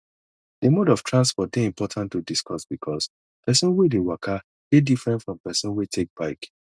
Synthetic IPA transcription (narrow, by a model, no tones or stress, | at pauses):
demɔdɔftʰɹãnspɔt̚beĩmpɔtʰãntːudiskɔsbikʰɔs | pɛsɔ̃nwedewakʰa | ɡ̥edifɹɛ̃ntfɹɔ̃mpɛsɔ̃nwetʰek̚b̥aɪk